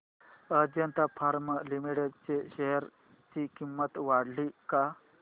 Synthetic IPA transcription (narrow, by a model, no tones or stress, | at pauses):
əd͡ʑjənt̪afʰaɾməlimiʈeɖt͡ɕeɕeɦəɾ | t͡ɕikimːət̪ʋaɽlika